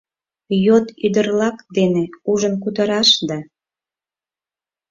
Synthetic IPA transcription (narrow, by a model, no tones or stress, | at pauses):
jot̪yd̪ərlɑkd̪eneuʒənkut̪əɾɑʃd̪ɑ